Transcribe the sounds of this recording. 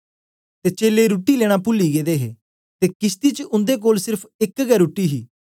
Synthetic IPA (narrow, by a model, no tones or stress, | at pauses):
t̪eːt͡ʃeːleːɾuːʈiːleːɽ̃aːpʊlːiːɡeːd̪eːɦḛː | t̪eːkɪst̪iːt͡ʃəʔʊnd̪eːk̬oːlsɪɾpʰɪkɡɛːɾuːʈːiːɦiː